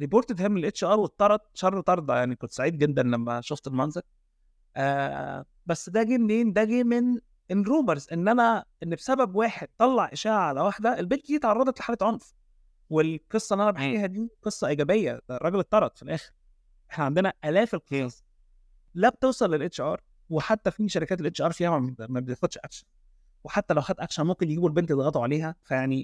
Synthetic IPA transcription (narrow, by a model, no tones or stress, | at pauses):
ɾiboːɾt̪t̪hemːelʔet̪ʃʔæːɾwet̪ˤːɑɾˤɑt̪̚ˤʃɑrˤːt̪ˤɑɾˤd̪ˤɑjaʕnikont̪saʕiːd̪̚ɡed̪ːænlæmːæ̰ʃoft̪elmænzel | ʔæː | bæsːd̪æɡenːeːnd̪æɡimen | ʔenɾuːmeɾzʔenːʔænæʔenːbsæbæbwaːħed̪̚t̪ːˤɑlːɑʕʔeʃæːʔaʕalæwaħd̪æʔelbeld̪iːt̪ʕɑrˤːɑd̪ˤɑt̪le̥ħalæːt̪ʕonf | welqesˤːɑʔenːʔænæbeħajeːhæd̪iːqesˤːɑʔeɡæbejːæ̰d̪ærˤːɑɡelet̪ˤːɑɾˤɑt̪ˤfilʔæːxeɾ | ʔeħnæʕand̪enæʔælæːfelqejæːs | læb̚t̪ewsˤɑlːelʔet̪t͡ʃʔɑːɾˤ | weħat̪ːæfiʃæɾekæːt̪elʔeːt͡ʃʔɑːɾˤfijææmæbeefod̪ʃʔæ̰kʃæn | weħat̪ːælæwħæt̪ʔækʃænmomkenjeɡiːbuelbent̪ed̪ɣɑt̪ˤuʕaleːɦæfæjaʕni